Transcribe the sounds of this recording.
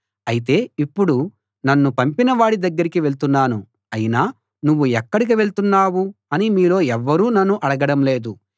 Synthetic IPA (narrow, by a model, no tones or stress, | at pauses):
ɐjit̪̬e̞ːipːuɽu | nɐnːupɐmpinɐʋaːɽid̪ɐɡːɐɾikiʋe̞ɭt̪unːaːnu | ɐjinaː | nuʋːuɛkːɐɽik̬iʋe̞ɭt̪unːaːwuɐnimiːlo̞ːɛʋːɐɾuːnɐnːuʔɐɽɐɡɐɽɐmle̞ːd̪u